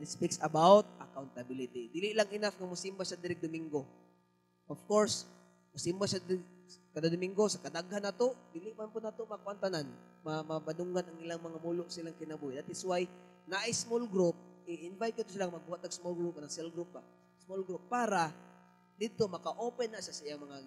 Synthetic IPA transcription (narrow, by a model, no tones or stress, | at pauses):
nɪspɪksɐbawt̪̚ʔɐkawnt̪abilɪt̪id̪iːlɪʔlaŋʔɪnafŋamʊsimbaʃad̪ɪɾɪɡ̚d̪ʊmɪŋɡo | ʔofkoɹs | masɪmbaʃad̪skad̪ad̪ʊmiŋɡosakɐd̪aɡhanːaːt̪oʔd̪iːlɪʔmanpʊnaːt̪omakwant̪anan | mamabanʊŋɡanʔaŋʔɪlaŋmɐŋamuloʔsɪlaŋkɪnabuːhɪʔd̪at̪sʊwaj | naʔajsmolɡɾup̚ɪʔɪnvajt̪̚kat̪os̬ɪlaŋmɐɡ̚buhat̪̚ːaɡsmolɡɾup̚anaŋsɛlɡɾup̚ba | smolɡɾupːaːɾa | d̪ɪd̪̚t̪omɐkaʔoːpɛnːaʔʃasɐʔijaŋmɐŋa